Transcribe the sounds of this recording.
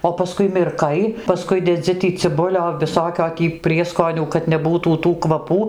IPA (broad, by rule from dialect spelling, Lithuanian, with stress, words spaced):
oː pɐˈskʊɪ mʲɪrˈkɐɪ pɐˈskʊɪ dʲɛˈd͡zʲɪ tʲiː t͡sʲɪˈbʊlʲoː ʋʲɪˈsoːkʲoː tʲiː ˈpʲrʲiɛskoːnʲuː kɐt nʲɛˈbuːtuː tuː kʋɐˈpuː